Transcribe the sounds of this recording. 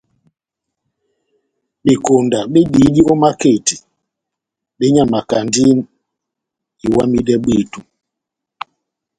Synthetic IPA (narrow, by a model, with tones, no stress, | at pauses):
ɓe˨ko˨nda˨ɓe˦ɗi˨˦ɗi˦ɔ˦ma˦ke˦˨ti˨ | ɓe˦ɲa˨ma˨ka˨ndi˦n | i˨wa˦mi˦dɛ˦ɓe˦˨tu˨